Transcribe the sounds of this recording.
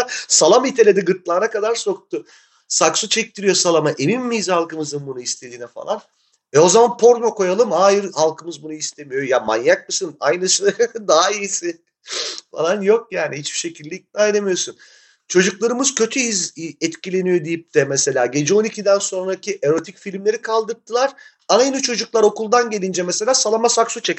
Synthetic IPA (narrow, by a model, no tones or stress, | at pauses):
salˠamit̪ʰelʲed̪ɛɡɯɾt̪lˠaːnakad̪aɾso̞k̚t̪ʰʊ | saksut͡ʃʰɛc̚t̪ʰiɾijo̞salˠamaʔe̞minːiizhalˠkɯmɯzɯnbunuist̪ʰe̞d̪iːnɛfa̰lˠan | vɛo̞zamanpʰo̞ɾnoko̞jalˠɯmhaːjiɾhalˠkʰɯmɯzbunuist̪ʰe̞mijo̞jama̰njak̚mɯsɯnajnɯsɯd̪aɦaijisɪ | falˠanjo̞k̚jaːniɦit͡ʃb̥i̥ʃe̞cʰilʲd̪ʲɛic̪̚najɾamijo̞sun | t͡ʃʰo̞d͡ʒuklˠaɾɯmɯz̥cʰø̞t̪ʰyizɛt̪cʰilʲe̞nijo̞d̪ijip̚t̪ʰɛmese̞lʲaːɟe̞d͡ʒɛo̞nicʰid̪ænso̞nɾacʰiʔe̞ɾo̞t̪ʰicfilʲmlʲe̞ɾikʰalˠd̪ɯɾt̪ʰːɯlˠaɾ̥ | anajinit͡ʃʰo̞d͡ʒuklˠaɾo̞kulˠd̪anɟe̞lʲind͡ʒɛmɛse̞lʲaːsalˠamasaksut͡ʃʰec